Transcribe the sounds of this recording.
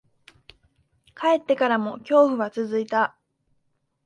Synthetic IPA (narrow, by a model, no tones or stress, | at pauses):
kae̞t̪ːe̞kaɾamo̞kʲo̞ːɸɯ̟βat͡sɨzɨit̪a